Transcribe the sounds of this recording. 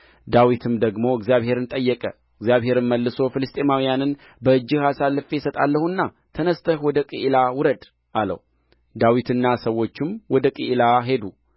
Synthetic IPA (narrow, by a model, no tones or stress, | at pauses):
d̪awit̪ʰɨmd̪əɡmo̞ɨɡzijaβhe̞ɾɨnt̪ʼəjːɛkʼə | ɨɡzjaβhe̞ɾɨnməlːɨso̞fɨlɨst̪ʼemawijanɨn | bəɨd͡ʒːɪhasalːɨfeɛsət̪ʼa̰lːəhunːa | t̪ʰənəst̪ʰəhwɔd̪əkʼɨʔlawʊɾəd̪ | ʔalə̰h | d̪awit̪ɨnːasəwːo̞t͡ʃːɪmwɔd̪əkʼɨʔlaɦe̞d̪u